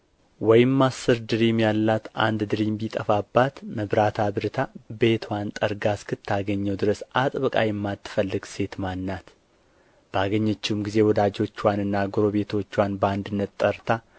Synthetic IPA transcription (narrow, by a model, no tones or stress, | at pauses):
wɔjɪmːasːɨɾd̪ɨɾimjalːat̪ʔa̰nd̪d̪ɨɾimbit̪ʼəfabːat̪məβɾat̪ʰabɨɾɨt̪ʰabe̞t̪ʰwant̪ʼəɾɡaskʰɨt̪ʰːaɡəɲːɛwd̪ɨɾəsat̪ʼβɨkʼa̰jɛmːat̪ʰːɨ̥fəlːɨɡse̞t̪manːat̪ | b̥əaɡəɲːət͡ʃːmɡize̞wɔd̪ad͡ʒo̞t͡ʃːwanɨnːaɡoɾo̞βe̞t̪ʰo̞t͡ʃːwanbəand̪ɨnːət̪t̪ʼːəɾt̪ʰa